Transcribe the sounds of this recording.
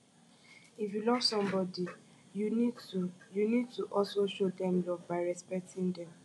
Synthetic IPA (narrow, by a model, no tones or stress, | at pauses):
ifjulɔv̥sɔ̃mbɔdi | junijunid̚tuʔɔlsoʃodɛ̃mlɔvbaɪɹɛspɛk̚tʰĩŋdɛ̃m